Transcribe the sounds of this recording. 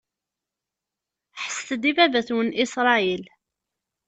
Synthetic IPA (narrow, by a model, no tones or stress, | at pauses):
ħə̥sθəd̪ivævæθwənisɾˤɑil